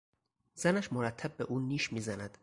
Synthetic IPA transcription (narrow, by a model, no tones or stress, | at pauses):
z̥ænæʃmoɾæt̪ʰːæb̚ːe̞ʔuːniːʃmiːzænæd̪̥